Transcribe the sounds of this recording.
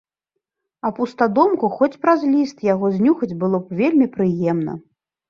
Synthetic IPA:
ɐpust̪ad̪ɔmkuxɔt͡sʲpɾazlʲist̪jaɣɔzʲnʲuxɐd͡zʲbɨlˠɔpvʲelʲmʲipɾɨjɛmnɐ̰

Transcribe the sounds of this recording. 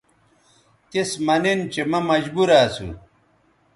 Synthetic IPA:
t̪ismɐnint͡ɕemɐmɐd͡ʑbuɾaːsṵ

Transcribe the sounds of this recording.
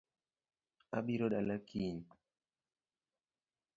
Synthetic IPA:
aɓiɾoɗalakin

